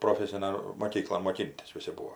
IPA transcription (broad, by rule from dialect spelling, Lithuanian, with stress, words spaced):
proːˈfʲæːsʲɪnɐn moːˈkʲiːklˠoːn moːˈkʲɪnʲtʲɪs ˈʋʲɪsʲɪ ˈbuːoː